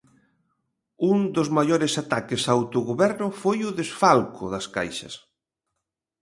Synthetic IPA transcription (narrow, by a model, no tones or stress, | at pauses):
und̪ozmajoɾesat̪akesaːwt̪oɣoβɛɾnʊfojʊðesfalkʰʊðɐska̰jʃɐ̰s